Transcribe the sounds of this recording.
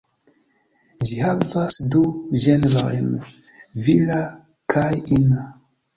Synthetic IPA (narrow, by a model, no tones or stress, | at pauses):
ʒihavasduʒenɾaɾḛn | vila | kʰajina